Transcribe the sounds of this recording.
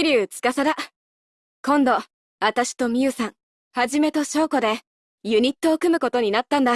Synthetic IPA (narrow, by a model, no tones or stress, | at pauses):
iɾʲɯːt͡sɨ̥kasaɾa | kõ̞nd̪o̞ | at̪aɕi̥t̪o̞mʲiɯ̟sãŋ | haʑime̞t̪o̞ɕo̞ːko̞d̪e̞ | jɯ̟ɲ̟it̪ːo̞ːkɯ̟mɯ̟ko̞t̪o̞ɲ̟inat̪ːãnd̪a